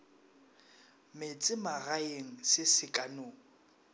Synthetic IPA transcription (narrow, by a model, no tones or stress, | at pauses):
mɪt͡sʼɪmaɣaeŋ̩sɪsɪkʼanoːŋ̩